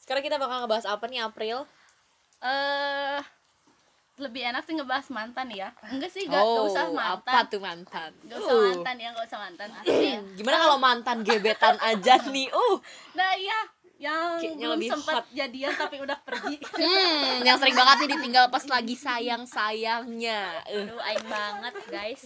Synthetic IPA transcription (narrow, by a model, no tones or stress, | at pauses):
sə̥kaɾaŋkit̪abakalŋəbaɦasapaniapɾɪl | ʔə | ləbɪhenak̚siŋəbaɦasmant̪anjaəŋɡasɪhɡaousamaap̪aat̪umant̪anŋɡaamnt̪anjaŋɡausahmant̪anɡimanakalowmant̪anɡebet̪anad͡ʒanɪʔʊhnahja | jaŋɲaləbihsəmpaat̪̚d͡ʒadiant̪apiudahpərɡim̩jaŋsəɾɪŋbaŋət̪̚ɲɪdit̪iŋɡalpaslaɡisajaŋsajaŋɲaəhaibaŋət̪̚ɡajs